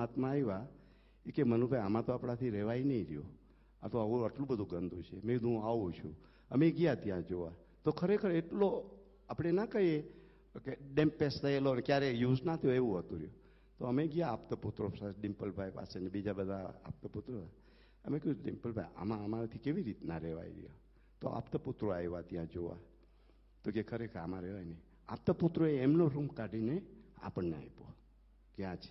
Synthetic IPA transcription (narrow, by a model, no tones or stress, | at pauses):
at̪mãiʋa | ikemənubʱajamãt̪oapɽ̃at̪ʰiɾɛʋainəiɾijo̰ | a̰t̪oəʋũəʈlũbəd̪ʱũɡənd̪ʱũt͡ʃʰemẽid̪ʱũaʋũt͡ʃʰṵ̃ | əmeɡijat̪jãd͡ʒoʋa | t̪okʰəɾekʰəɾeʈlo | apɽ̃enakəɦje | keɖẽmpest̪ʰəelonekjaɾejuznat̪ʰijoeʋũɦət̪ũɾiju | t̪oəmeɡijaːpt̪əput̪ɾosaɖɪmpəlbʱajpa̰senebid͡ʒabəd̪ʱaa̰p̚t̪əput̪ɾosa | ə̰mekəũɖimpəlbʱaja̰mãəmaɾat̪ʰikeʋiɾit̪naɾɛʋa̰ḭɡḭja̰ | t̪o̰ʔa̰pt̪əput̪ɾoajʋat̪jãd͡ʒoʋa̰ | t̪okekʰəɾekʰəɾamãɾeʋajne | a̰p̚t̪əput̪ɾoeːmnoɾumkaɖinea̰pəɳːea̰jpo̰ | ɡjãt͡ʃʰe̥